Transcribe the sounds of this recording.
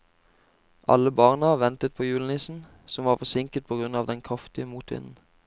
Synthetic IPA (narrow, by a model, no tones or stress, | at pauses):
ʔɑ̰ləbɑːʁnəʋɛnt̪ət̪̚pʰoːjʉːln̩ɪsn̩ | sɔmʋɑːʁfɔsɪŋkət̪̚pʰoːɡʁʉnɑːʋd̪ɛnkʰʁɑft̪ɪəmuːt̪ʋɪ̰nn̩